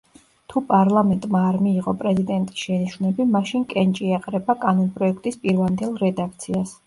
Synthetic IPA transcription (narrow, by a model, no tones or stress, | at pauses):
t̪ʰupʼaɾlˠamɛnt̪ʼmaːɾmiːʁɔpʼɾɛzid̪ɛnt̪ʼi̥sʃɛniʃunɛbimaʃinkʼɛnt͡ʃʼiaqʼɾɛbakʼanɔnpʼɾɔɛkʰt̪ʼispʼiɾvamnd̪ɛlˠɾɛd̪ak̚ʰt̪sʰias